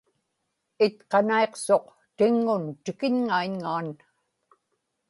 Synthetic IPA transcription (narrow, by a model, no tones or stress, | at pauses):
ɪt̪qɑnae̞qso̞q | t̪ɪŋːʊnt̪ɪkɪɲŋaiɲŋaːn